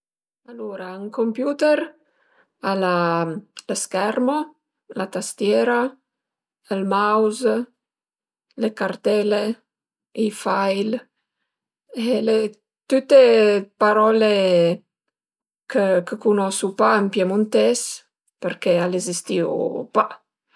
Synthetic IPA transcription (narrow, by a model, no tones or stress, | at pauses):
aloɾaaŋkompjuːt̪eɾ | alaləskɛrmo | lat̪ast̪jɛːɾa | əlmawz | lekart̪ɛle | ifajl | ele | t̪ut̪ːepaɾɔle | kəkəkunɔsupaəmpjemunt̪ɛs | pərkealezist̪io̰pa